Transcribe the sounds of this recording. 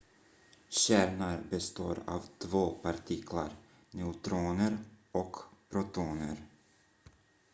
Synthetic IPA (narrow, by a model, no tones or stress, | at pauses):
ɕæːɾɳaɾbɛst̪o̰ːɾa̰ːvt̪ʰvoːpʰaɾt̪ʰɪkʰla̰ɾ | nɛʊt̪ɾoːnəɾɔkpʰɾʊt̪ʰuːnə̰ɾ